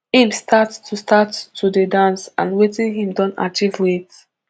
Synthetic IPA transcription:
hĩmstʰattʰustʰattːudedãnsã̰nwetĩnɦĩmdɔ̃nta̰t͡ʃivwit

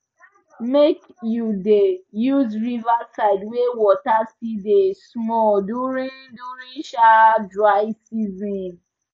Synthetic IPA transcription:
mekjudejuzɹivasaɪdwewɔtasidesmɔlduɹĩnduɾĩnʃadɹaɪsizɔ̃n

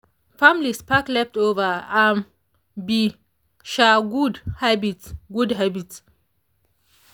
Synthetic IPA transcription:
fãmilispaklɛftovəãn | bi | ʃaɡudhabitɡudɦabits

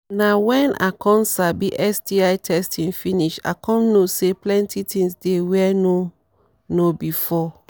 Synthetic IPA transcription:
nawɛ̃nʔa̰kʰɔ̃nsabiʔɛsdiaɪtʰɛstʰĩnfiniʃa̰kʰɔ̃nːoseplɛ̃ntʰitĩŋsdewɛno | nobifɔ

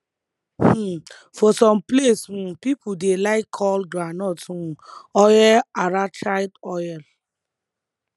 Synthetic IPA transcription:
h̩ | fɔsɔ̃mplesũpipudelaɪkʰːɔldanɔtũɔjɛaɹat͡ʃaɪdɔjɛl

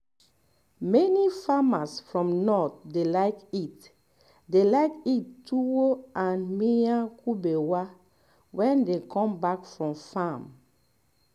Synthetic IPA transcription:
mɛnifamasfɹɔ̃mnɔt̚delaɪkit | delaɪkitːuwoʔãnmijãkubewa | wɛ̃ndekʰɔ̃mbakfɹɔ̃mfãm

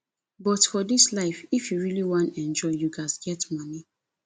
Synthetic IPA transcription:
bɔtfɔdislaɪfifjuɹiliwãntɛ̃nd͡ʒɔɪjuɡasɡɛtmʌni

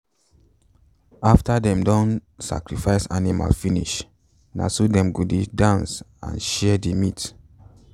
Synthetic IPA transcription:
aftadɛ̃mdɔ̃nsa̰kɹifaɪsanima̰lfinḭʃ | na̰sudɛ̃mɡodidãns | ã̰nʃɛdimit

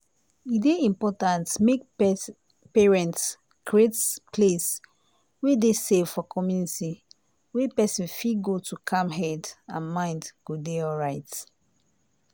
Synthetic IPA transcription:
ideĩmpɔtãntmek̚ | peɹɛ̃nts | ɡ̥ɹetpʰles | wedesevfɔkʰɔmjuniti | wepɛsĩnfiɡotukʰãmɦɛdãnmãɪ̃ndɡ̥odeɔɹaɪt

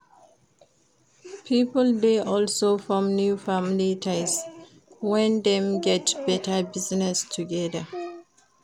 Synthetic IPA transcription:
pʰipəldeʔɔlsofɔmnjufamlitʰaɪs | wɛ̃nd̪ɛ̃mɡɛtbɛtəbiznɛstʰuɡɛðə

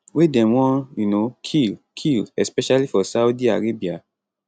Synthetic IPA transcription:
wedɛ̃mwɔ̃junokʰilkʰilɛspɛʃalifɔsaudia̰ɾebia

